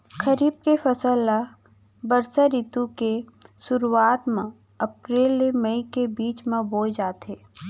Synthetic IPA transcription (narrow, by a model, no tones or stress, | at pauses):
kʰəɾiːb̚kefɐsəla | bəɾsəɾit̪ukesʊɾuaːt̪mẽ | ɐpɾeːlːeməikebiːt͡ʃmẽboːd͡ʒaːt̪ɦeː